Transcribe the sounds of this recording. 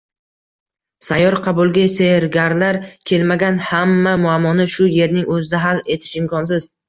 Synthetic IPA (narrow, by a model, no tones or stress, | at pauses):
sajːɒɾqʰɑbulˠɡʲaseɾɡʲaɾlaɾkʲʰe̞lmaɡʲanhamːamʊamːɒnɪʃʊje̞ɾnɪŋɵzɪd̪aɦale̞t̪ʰɪ̥ʃɪmkʰɒns̬ɪz̥